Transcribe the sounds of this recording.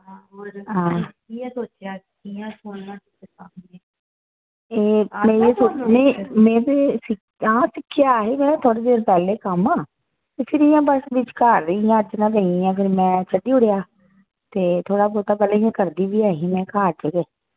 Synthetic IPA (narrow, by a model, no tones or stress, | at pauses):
ɦãː | iɛsoːt͡ʃjaː | ijãːsoːnãːtɪtesaːmineː | eːmeːẽːsoːt͡ʃnẽmẽːd̪eːsɪ | aːsɪkʰːjaːɦeːmɛ̃ːt̪ʰoːɽeːd̪eːɾpɛːleːkəmãː | ɪsɪɾijãːbəsʋɪt͡ʃkaːɾːjãːəd͡ʒnãːeĩãːpʰɪɾmɛ̃ːt͡ʃʰəɖiːʊɽejaː | t̪eːt̪ʰoːɽaːpoːt̪aːpɛːlaːiãːkəɾd̪iːʋiːaːɦiːmɛ̃ːkaːɾd͡ʒəɡeː